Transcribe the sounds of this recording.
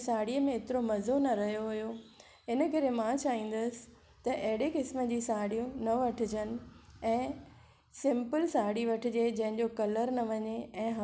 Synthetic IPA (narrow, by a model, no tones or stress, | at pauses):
saːɽijəmẽːt̪ɪɾomɐzonɐɾɐɦijoɦʊjo | ɪnəkɐɾemãt͡ɕaːʋĩːn̆d̪əsɪ̥̆ | t̪ɐʔɐɦɪɽekɪsməd͡ʑiːsaːɽijũnɐʋɐʈʰɪ̆d͡ʑənɪ̆ɛ̃ː | sɪ̃mpəlsaːɽiʋɐʈʰɪ̆d͡ʑed͡ʑɐ̃ɦɪ̃ɲd͡ʑokɐləɾnɐʋɐɲeɛ̃ːɦa